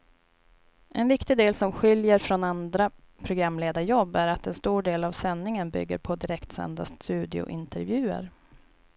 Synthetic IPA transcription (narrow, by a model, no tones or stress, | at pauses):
ʔɛnvɪkt̪ɪɡd̪eːlsɔmɧɪljəɾfɾɔnand̪ɾa | pʰɾʊɡɾamːleːd̪ajɔbːæɾat̪ɛnst̪uːɖeːlavsɛnːɪŋənbʏ̰ɡːə̰ɾpʰɔd̪ɪɾɛkt̪sɛ̰nd̪a̰st̪ʉ̟ːd̪ɪʊ̰ʔɪnt̪ʰɛɾvjʉ̟ːə̰ɾ